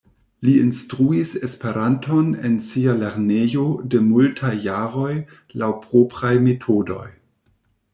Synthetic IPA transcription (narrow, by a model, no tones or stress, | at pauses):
liinstɾuisespe̞ɾantʰo̞nḛnsialeɾnejode̞multʰajːaɾo̞j | lawpɾopɾajmetʰodo̞̰j